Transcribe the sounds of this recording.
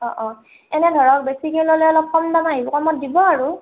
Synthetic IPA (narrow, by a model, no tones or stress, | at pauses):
ɔ̃ʔɔ̃ | ɛnɛdʱɔɹɔk̚besikelɔlɛɔlɔp̚kʰɔmdamaɦibɔkɔmɔt̚dibɔaɹu